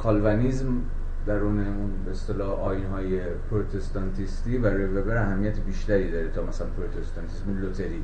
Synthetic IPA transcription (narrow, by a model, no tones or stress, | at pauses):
kʰɒːlvænizm | d̪æɾuːne̞unbeest̪elɒːʔɒːjinɦɒːje | pʰɾot̪ʰe̞st̪ɒnt̪ʰist̪iːbæɾɒːjebebæɾæɦæmːijæt̪ʰebiːʃt̪æɾiːd̪ɒːɾet̪ʰɒːmæsælænpʰɾot̪ʰest̪ɑnt̪ʰismelot̪ʰe̞ɾiː